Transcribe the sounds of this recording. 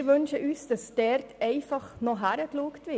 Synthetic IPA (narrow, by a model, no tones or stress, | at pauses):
ɾʋønʃəʔyːsd̥ɑsd̥ɛɾtɛɪfɑχnɔɦæɾəkluəktʋɪ